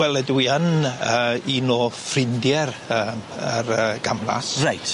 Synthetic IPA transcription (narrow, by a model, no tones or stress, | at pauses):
wɛlˠɛdwiənəːinoːfrɪndjɛrəːərəɡ̥amla̰srajtʰ